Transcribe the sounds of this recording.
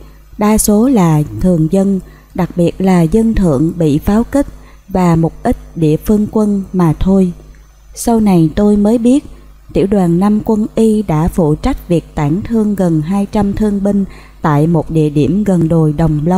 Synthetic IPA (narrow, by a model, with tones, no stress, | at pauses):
ɓaː˧so˨˦laː˨˩t̪ʰɨ˨˩əŋzə˧n | ɗa˨˩k̚ɓi˨˩ət̚laː˨˩zə˧nt̪ʰɨ̰˧˨əŋɓḭ˧˨faː˨˦wkï˦˥k̟̚ | vaː˨˩mʊ˨˩p̚ʔï˦˥k̚ɗḭ˧˨əfɨ˧əŋkwə˧nmaː˨˩t̪ʰo˧j | sa˧wna˨˩jt̪o˧jməː˨˦jɓi˦˥ət̚ | t̪ḭ˧˩əwɗwaː˨˩nːa˧mkwə˧nʔi˧ɗa̰ː˧˥fṵ˧˨t͡ɕa˦˥k̚vi˨˩ək̚t̪aː˧˩ŋt̪ʰɨ˧əŋɣə˨˩nɦaː˧jt͡ɕa˧mt̪ʰɨ˧əŋɓï˧ŋ̟ | t̪a̰ː˧˨jmo˨˩t̚ɗḭ˧˨əɗi˧˩əmɣə˨˩nɗo˨˩jɗə˨˩wŋ͡mlə˧w